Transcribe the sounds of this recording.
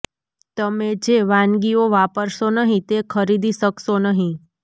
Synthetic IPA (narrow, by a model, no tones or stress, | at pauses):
t̪əmed͡ʒeʋãnɡioʋapəɾʃonəɦĩt̪ekʰəɾid̪iʃəkʃonəɦĩ